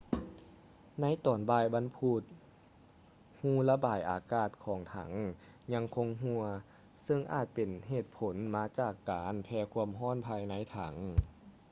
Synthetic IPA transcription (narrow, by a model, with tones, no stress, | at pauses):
na˧˥jt̪ɔː˨˩nbaː˧˩jba˧˥npʰuː˧˩t̪̚ | huː˧˩la˧baː˨˩jʔaː˨˩kaː˧˩t̪̚kʰɔː˨˩˦ŋt̪ʰa̰˧˩˦ŋ | ɲa˧ŋkʰo˧ŋɦu˧ɐ | sɤ˧ŋʔa̰ː˧˩t̪̚pe˨˩nɦeː˨˩t̪̚pʰo˨˦nmaː˧˥t͡ɕaː˧˩kːaː˨˦npʰɛː˧kʰu˧˥əmɦɔː˥˨npʰaː˧jna˧˥jt̪ʰa̰˨˩˦ŋ